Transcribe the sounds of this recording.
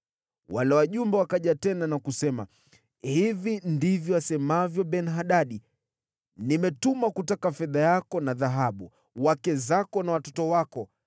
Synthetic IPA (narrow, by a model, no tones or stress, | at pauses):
walɛwaʄumbɛwakaʄatɛnanakusɛma̰ | hivindivjɔasɛmavjɔɓɛnɦaɗaɗi | nimɛtumakutakafɛðajakɔnaðaɦaɓu | wakɛzakɔnawatɔtɔwakɔ